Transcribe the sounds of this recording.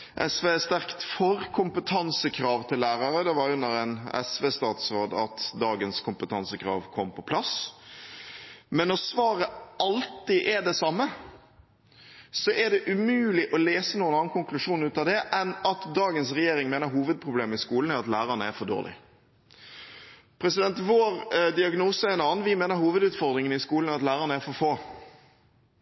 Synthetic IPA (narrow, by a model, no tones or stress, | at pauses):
ʔɛsʋeːst̪æʁkt̪fɔɾkʰʊmpət̪ʰɑnsəkʰɾɑːʋt̪ʰɪllːæːɾɑɾəd̪ɛʋɑɾʉnːəɾæɪnɛ̰sʋeːst̪ɑːt̪sɾoːd̪ɑt̪d̪ɑːɡənskʰʊmpət̪ʰɑnsəkɾɑ̰ːʋkʰɔmpʰɔpʰlɑs | mɛnːɔsʋɑːɾəʔɑlt̪ɪʔɛɖ̪ɛsɑmːə | sɔʔɛɖ̪ɛʔʉmʉːlɪʔɔleːsənuːənɑːnkʊŋklʉʂuːnʉːt̪ɑd̪ɛʔɛnɑt̪d̪ɑːɡəns̬ɾɛjeːɾɪŋmeːnəɾɦuːʋəd̪̚pʰɾʊbleːmɪskuːln̩æɾɑt̪læːɾənəæfɔd̪o̰ːlɪ̰ | pʰɾɛsɪd̪ɛnt̪ʋoːɾd̪ɪɑɡnuːsəɛɛːnɑːn̩ʋɪmeːnəɾhuːʋəd̪ʉːt̪fɔɾd̪ɾɪŋənɪskuːln̩æɾɑt̪læːɾənəæɾfɔɾfoː